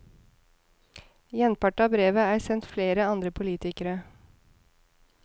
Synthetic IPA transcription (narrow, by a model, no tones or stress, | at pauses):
jɛnpɑʈɑbɾeːʋəæːɾsɛnt̪fleːɾəɑnd̪ɾəpʰʊliːt̪ɪkəɾə